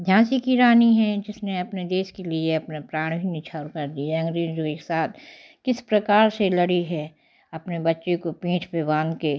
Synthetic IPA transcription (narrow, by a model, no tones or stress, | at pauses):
d̪ʱjãːsikiɾaːniɦɛ̃d͡ʒɪsneɐpned̪eːʃkelieɐpnapɾaːɽ̃bʱinɪt͡ʃʰaːɾkɐɾd̪iɛɐ̃ŋɡɾeːzd͡ʒoeːksaːt̪̚ʰ | kɪspɾɐkaːɾselɐɽiɦɛ | ɐpnebɐtːʃekopĩːt͡ʃʰpebãːnd̪keː